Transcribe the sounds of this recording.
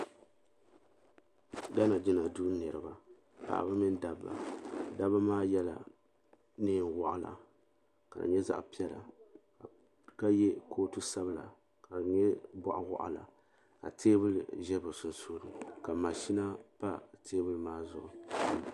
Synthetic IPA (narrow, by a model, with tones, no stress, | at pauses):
da˦na˨d͡ʒɪ˦na˨du˦nɨ˨ɾɨ˨ba˨ | pa̰˨ʔa̰˨ba˦mɨ˦n˦da˨bːa̰˨da˦ba˦maː˦jɛ˦la̰˨ | nɨː˦˨nwɔ˨ʔa˨la̰˨ | ka̰˨ɲɛ˦za̰˦ʔpi˦ɛ˦la̰˨ | ka˦jɛ˦kʰoː˦tu˦sa˦bla̰˨ | ka˨ɲɛ˦ba˦ʔa˨wa̰˦ʔa̰˨la̰˨ | ka̰˨tʰeː˦bɨ˦lʒɛ˦bɨ˨sʊ˨nsoː˦ɾɨ˨ka˨ma˨ʃi˦na˦pa˦tʰeː˦bɨ˦lɨ˦maː˦zʊ˨ʔʊ˨